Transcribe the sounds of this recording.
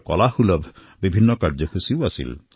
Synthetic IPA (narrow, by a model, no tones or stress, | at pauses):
kɔ̰lahulɔb | bibʱinːɔkaɾd͡ʒɔkʰusiwasḭl